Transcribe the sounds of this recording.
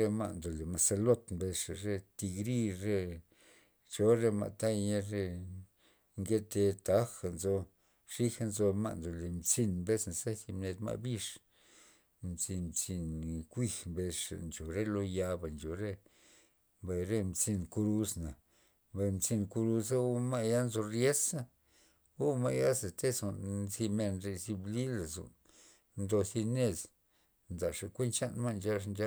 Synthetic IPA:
ɾe˧ma̰˦˧ʔnd̪o˨le˨ma˧se˧lo˦t̪mbe˧ʂa˨ɾe˦t̪i˧ɡɾi˦ɾe˦ | t͡ʃo˧ɾe˧ma̰˧˨t̪a˦jɲe˦ɾe˦ | ŋɡe˦t̪e˧t̪a˦xa˨nzo˧ | ʂi˦xa˧nzo˧ma̰˦ʔnd̪o˨le˨mt͡si˧nmbe˦sna˨se˦t̪i˧mne˧t̪ma̰˧bi˦ʂ | mt͡si˧mt͡si˧nkʷi˧xmbe˧ʂa̰˨nt͡ʃo˨ɾe˦lo˦ja˧ba˨nt͡ʃo˨ɾe˦ | mba˧jɾe˦˧mt͡si˧nku˧ɾu˧sna˨ | mba˧jmt͡si˧nku˧ɾu˧sa˦o˦ma˦ʔja˦nzo˧rje˦sa˦ | o˦ma˦ʔja˦ze˨t̪e˦so˨nnzi˧me˧nɾe˧zi˧bli˦la˨zo̰˨n | nd̪o˧si˧ne˧z | nd̪a˨ʂa˨kʷe˦nt͡ʃa˦nma˦˧nd͡ʒa˧ʂ̬nd͡ʒa˦

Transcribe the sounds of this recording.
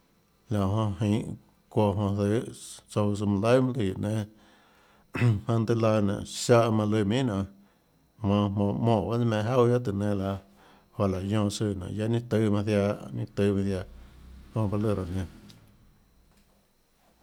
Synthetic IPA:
la˨ʔɦõ˧ɦĩ˨ | kʷo˧ɦõ˧θɨ˧˦so˧ws̬ɨ˧mũ˧lə˦mũ˦li˨ʔnẽ˧ | mã˧nd̪ɨ˦˧la˧nã̰˨ʔʃa˦ʔmã˧lɨ˧mĩ˦nã˨ | mã˧mõː˧˨mõː˧˨ba˦nĩ˦mẽ˧˨ɦa˦wja˦t̪ɨ˨nẽ˧la˧ | ha˧˨la˨jõː˧˨sɨ˧˨nã̰˨ja˦nĩ˦t̪ɨ˧˦mã˧θja˧nḭ̃˦t̪ɨ˧mã˧θja˧hõ˧ba˧lɨ˧˨ɾo˨nẽ˧

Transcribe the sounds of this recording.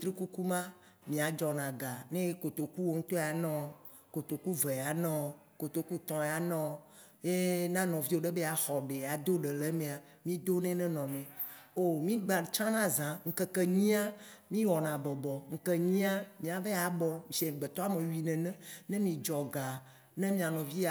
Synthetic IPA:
t̪ɾi˦ku˦ku˦mã˦ | mĩ˨a˨d͡ʒɔ˨nã˨ɡa˨nẽ˦ko˨t̪o˨ku˦wo˦ŋ̩˦t̪ɔ˦a˨nɔ̃˦ | ko˨t̪o˨ku˦ve˨a˨nɔ̃˦ | ko˨t̪o˨ku˦t̪ɔ̃˨a˨nɔ̃˦ | je˦nã˦nɔ̃˨vi˦wo˦ɖe˦be˦a˨xɔ˨ɖe˨a˨d̪o˦ɖe˨le˦mẽ˨a˨ | mĩ˦d̪o˦nɛ̃˦nɛ̃˦nɔ̃˨nɛ̃˨ | o˦mĩ˦ɡ͡ba˨t͡ʃã˦nã˦zã˨ŋ̩˨ke˦ke˦ɲĩ˦a˦mĩ˦wɔ˨nã˨bɔ˨bɔ˨ŋ̩˨ke˦ɲĩ˦a˦mĩ˨a˨ve˦a˨˦bɔ̃˦˨ʃe˨ɡ͡be˨t̪ɔ˦a˦me˨ɥi˨nɛ̃˨nɛ̃˦nɛ̃˦mĩ˨d͡ʒɔ˨ɡa˨ | nɛ̃˦mĩ˨ã˨nɔ̃˨vi˦a˨

